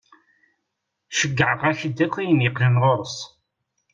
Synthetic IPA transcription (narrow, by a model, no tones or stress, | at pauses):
ʃəɡːəʕəʁæçəd̪ːækʰːijənjəqlənʁoɾˤəs